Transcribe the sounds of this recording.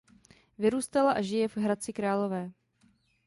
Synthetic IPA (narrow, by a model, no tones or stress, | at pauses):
vɪɾuːst̪alaʔaʒɪjɛvɦɾat͡sɪkɾaːlo̞vɛː